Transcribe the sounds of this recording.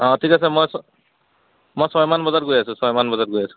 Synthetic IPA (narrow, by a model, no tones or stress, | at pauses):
ɔ̃tʰikasɛmojsɔ | mojsɔjmanbɔzaɹɡojasʊ̃sɔjmanbɔzaɹɡojasʊ̥̃